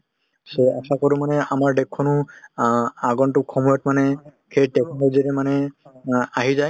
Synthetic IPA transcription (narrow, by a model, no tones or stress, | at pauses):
seasakɔɾumanɛamaɹɖɛkʰːɔnʊ | aɡɔntʊkʰɔmɔjɔtmanɛ | kʰejdɛkʰɔnɔziɾɛmanɛ | aɦizaj